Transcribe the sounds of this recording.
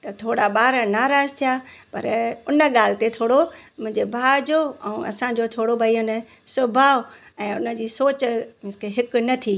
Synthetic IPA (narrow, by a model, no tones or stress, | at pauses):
t̪ɐt̪ʰoːɽaɓaːɾənaːɾaːzt̪ʰijaːpɐ̰ɾʊnə̆ɠaːl̤ɪt̪et̪ʰoːɽomʊ̃ɦɪ̃ɲd͡ʑebʱaːd͡ʑoɛũɐ̰sãd͡ʑot̪ʰoːɽobɐiːənɪ | sʊbʱaː | ɛ̃ːʊ̰nə̆d͡ʑiːsoːt͡ɕmɪ̃skʰeɦɪk̆nɐt̪ʰiː